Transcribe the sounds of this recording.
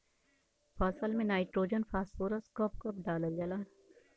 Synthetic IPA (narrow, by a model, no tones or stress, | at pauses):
faːsəlmẽnaːɪʈɾoːd͡ʒənfaːsoːɾɐskɔːp̚kɐpɖaːləld͡ʒɐlaːn